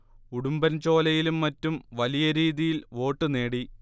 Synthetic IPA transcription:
uɽumbɐnt͡ɕo̞ːlɐjilumːɐtːumʋɐlijɐɾiːðijilo̞ːʈːɨne̞ːɽi

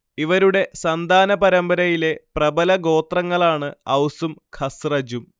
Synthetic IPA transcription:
iʋɐɾuɽe̞sɐnd̪ʱaːnɐpɐɾɐmbɐɾɐjile̞prɐbɐlɐɡo̞ːt̪rɐŋːɐɭaːɳɨɐwsumkʰɐsrɐd͡ʑum

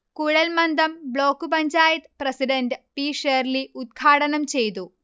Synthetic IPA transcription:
kuɻɐlmɐnd̪ɐmbɭo̞ːkːupɐɲd͡ʑaːjɐt̪prɐsiɖɐndɨpiːʂerliud̪̚kʰaːɽɐnɐmt͡ɕe̞jt̪u

